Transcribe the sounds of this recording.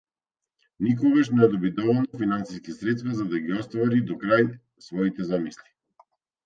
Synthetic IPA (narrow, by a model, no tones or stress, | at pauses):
nik̬ɔɡaʃnɛd̪ɔbid̪ɔvɔlˠnɔfinansiskisɾɛt̪st̪vazad̪aɡiɔst̪vaɾid̪ɔkɾaj | svɔit̪ɛzamisli